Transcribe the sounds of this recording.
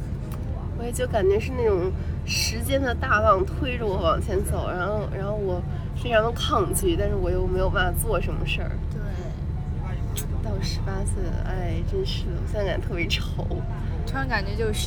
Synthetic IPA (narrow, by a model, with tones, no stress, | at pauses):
ɔ˧˥˨t͡ɕjo˥˩ʊka˨˩nt͡ɕɥɛ˧˥ʂɻ̩˥˧na˥˩ʈ͡ʂʊ˨˩ŋ | ʂɻ̩˧˥t͡ɕjɛ˥nd̪ə˧t̪a˥˧fɑ˥˩ŋt̪ʰwe˥ɪʈ͡ʂə˧˩wɔ˧˥wɑ˨˩ŋt͡ɕʰjɛ˧˥nt͡so˨˩˦ʊɻa˧˥nxo˥˧ʊɻʔa̰˧˥nxo˥˩ʊwɔ˨˩ | fe˥ɪʈ͡ʂʰɑ˧˥ŋd̪ə˧kʰɑ˥˧ŋt͡ɕi˥˩t̪a˥˧nʂɻ̩˥˩wɔ˨˩t͡ɕjo˥˩ʊme˧˥ɪjo˨˩ʊp̬a˥˩fa˨˩t͡swɔ˥˩ʂə˧˥nmə˧ʂə̰˥˩t̪we˥˩ɪ | t̪ɑ˥˩ʊ˩ʂɻ̩˧˥pa˥s̩˥˩ʔa˥˩ɪʈ͡ʂə˥˧nʂɻ̩˥˩wɔ˨˩ɕjɛ˥t͡sa˥ka˨˩nt̪ʰɤ˥˩pjɛ˧˥ʈ͡ʂʰo˧˥ʊ˥ | ɑ˥ŋka˨˩nt͡ɕɥɛ˧˥t͡ɕjo˥˧ʂ̩˥˩